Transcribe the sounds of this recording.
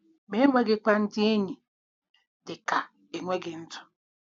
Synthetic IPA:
me˦ŋʷe˦ɡɪ˦kʷa˦n̩˦tɪ˦e˦ɲi˨ | dɪ˨ka˨ | e˨ŋʷe˦ɡɪ˨n̩˦tʰʊ̥˨

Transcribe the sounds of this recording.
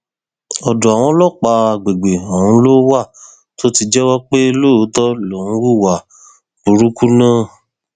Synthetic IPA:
ɔ˨du˨a˨w̃ɔ̃˨˧˦lɔ˦˨k͡pa˧a˧ɡ͡be˨ɡ͡be˨o˨ɾũ˨˦lo˦wa˦˨ | to˦ti˧d͡ʒɛ˦wɔ˦k͡pe˦lo˦˨˦tɔ˦lo˨ũ˦ɾu˦˨wa˨ | b̥u˨ɾu˦ku˦nãː˦˨

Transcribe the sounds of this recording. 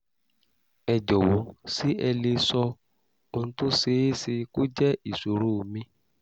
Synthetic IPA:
ɛ˨d͡ʒɔ˨wɔ˨˦si˦ɛ˧le˧sɔ˧ | o˧nũ˧˦to˦se˧˦e˦si˧ko˦d͡ʒɛ˦i˦˨su˨ɾu˦˨mĩ˧

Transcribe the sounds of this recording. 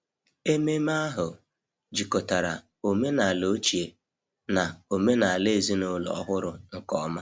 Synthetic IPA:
e˦me˦ma˦ɦʊ˨ | d͡ʒi˨ko˨ta˨ɾa̰˨ | o˨me˦na˨a˨lo˨˦t͡ʃi˨e˨ | na˨o˨me˦na˨le˦e˨zi˦nʊ˦lɔ̰˨ɔ˦ɦʊ˦ɾʊ˨ŋ̩˨kɔ˦ma˦

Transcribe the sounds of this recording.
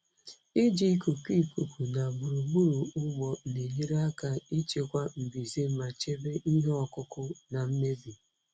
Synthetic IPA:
i˦d͡ʒi˨i˦ku˨ki˦˨ku˨kʷu˨na˨ɡ͡bu˨ɾu˨ɡ͡bu˦ɾu˨ʊ˦ɡ͡bɔ˨ne˨ɲi˦ɾa˦ka˦i˦t͡ʃe˨kʷa˦m̩˨bi˨ze˦ma˨t͡ʃe˦be˦ʔi˦ɦe˦ɔ˨kʊ˦kʊ˦na˨m̩˦me˦bi˨

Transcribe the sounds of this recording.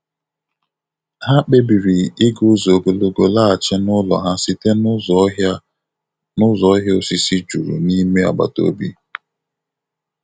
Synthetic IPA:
ha˦k͡pe˦bi˨ɾi˨ɪ˦ɡʊ˦zo˨ɡo˨lo˨ɡo˨la˦a˨t͡ʃɪ˦nʊ˦lɔ̰˨ɦa˦si˦te˦n˦zɔ˨˦ɦa˦ | nʊ˦zɔ˨˦ɦjo˦si˨si˦d͡ʒu˨ɾṵ˨ni˦me˦a̰˨ɡ͡ba̰˨to̰˦bi˦

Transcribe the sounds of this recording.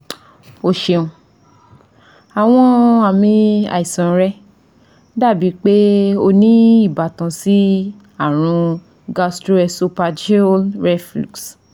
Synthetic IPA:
o˧˨ʃe˧ũ˨ | a˨w̃ɔ̃˧a˨mĩ˧a̰˨i˨sã˨˦ɾɛ˦ | da˦˨bi˨˦k͡pe˦o˧nĩ˦i˦˨ba˨tã˨˧si˦ | a˦˨ɾ̃ũ˧ | ɡa˧stɾo˦ɛ˧su˧pa˧d͡ʒe˦lɾɛ˦flṵ˨ks

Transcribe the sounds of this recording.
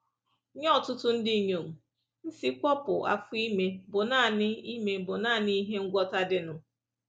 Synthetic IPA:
ɲɔ˦˨tʊ˦tʊ˦n̩˦di˦ɲo˨m̩˨ | n̩˦si˦kʷɔ˦pʊ̰˨a̰˨fʊ˦i˦me˦bʊ˨naː˦˨nɪ˦i˦me˦bʊ˨naː˦˨ni˦i˦ɦe˦ŋ̩˦ɡʷɔ˦ta˦dɪ˦nʊ˨

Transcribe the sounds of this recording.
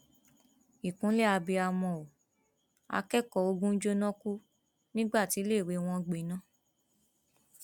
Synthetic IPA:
i˨kũ˨˦lɛ˦a˧bi˧a˧mɔ̃˧o˨ | a̰˧kɛ˦kɔ˨o˧ɡũ˦d͡ʒo˦nɔ̃˦ku˦ | nĩ˦ɡ͡ba˦˨ti˨˦le˦˨ɾe˨˧w̃ɔ̃˧ɡ͡be˨˦nã˦˨

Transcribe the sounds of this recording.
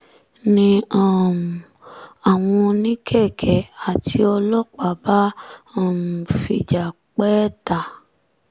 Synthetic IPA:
nĩ˧ã˦˨m˨ | a˨w̃ɔ̃˧nĩ˦kʰɛ˦˨kʰɛ˨a˨ti˧ɔ˧lɔ˦k͡pa˨˦ba˦a˦˨m˨fi˨d͡ʒa˨ | k͡pɛː˦ta˨

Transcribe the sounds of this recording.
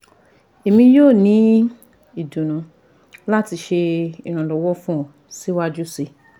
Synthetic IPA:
e˨mĩ˧joː˦˨nĩ˨˦ | i˨dũ˨nũ˨˦ | la˦ti˧ʃe˧i˨ɾ̃ã˨lɔ˨wɔ˦fũ˦ɔ˨ | si˨˦wa˦d͡ʒu˦se˧

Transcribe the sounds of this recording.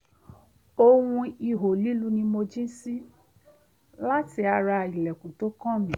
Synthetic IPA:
o˧wũ˧i˨ɦo˨li˦lu˦nĩ˧mo˧d͡ʒĩ˦si˦ | la˦ti˧a˧ɾa˧i˨lɛ˨kũ˨to˨˦kɔ̃˦˨mĩ˨

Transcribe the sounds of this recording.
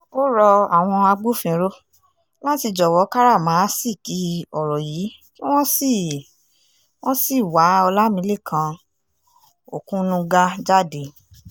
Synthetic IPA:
o˦ɾɔ˧a˨w̃ɔ̃˧a˧ɡ͡bo˦˨fĩ˧ɾo˦ | la˦ti˧d͡ʒɔ˨wɔ˨˦ka˦ɾa˦˨mã˨˦si˦˨ki˨˦ɔ˨ɾɔ˨ji˨˦ | ki˦w̃ɔ̃˦si˦˨ | w̃ɔ̃˦si˦˨wa˨˦ɔ˧la˦mĩ˨˧˦le˦˨kʰã˧˦ | o̰˨kũ˦nũ˧ɡa˦d͡ʒa˦de˧˨

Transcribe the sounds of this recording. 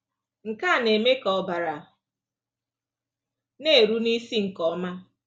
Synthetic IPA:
ŋ̩˨ka˦˨ne˨me˦kɔ˨ba˨ɾa˨ | ne˦e˨ɾu˦ni˦si˦ŋ̩˨kɔ˨ɔ˦ma˦

